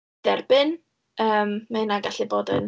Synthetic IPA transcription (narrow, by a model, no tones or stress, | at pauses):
d̥ɛrbɨn | əːmmɛnaɡaɬɨboːdə̰n